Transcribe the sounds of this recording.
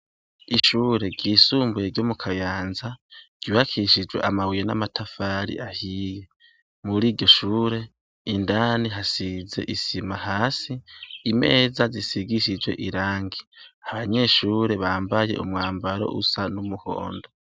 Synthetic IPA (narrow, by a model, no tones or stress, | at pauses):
iʃuːɾe̞ɡɟiːsuːmbujeɾɟomukʰajaːnzaɟ̥ɟ̥iβakʰiʃid͡ʒwe̞̰ʔamawijena̰matʰafaɾḭʔahije | muɾiːɾɟo̞ʃuːɾe̞ | indaniɦasize̞̰ʔisimahaːsiːme̞̰ːzazisiɡiʃid͡ʒwe̞̰ʔiɾaːŋɡiaβaɲe̞ʃuːɾe̞βaːmbaje̞̰ʔṵmŋaːmbaɾo̞̰ʔusanumuho̰ːndo